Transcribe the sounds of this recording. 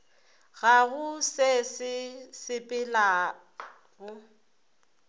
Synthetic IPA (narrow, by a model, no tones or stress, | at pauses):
ɣaɣʊsɛsɪsɪpʼɪlaː | ɣʊ